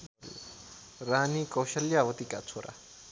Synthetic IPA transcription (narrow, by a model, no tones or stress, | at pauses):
l | ɾanikʼowʃaljaβot̪ikʼa̰t͡sʰuɾʔa̰